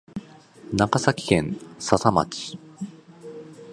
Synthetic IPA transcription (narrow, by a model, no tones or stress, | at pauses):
nakasakʲi̥kẽ̞nsasama̰t͡ɕi̥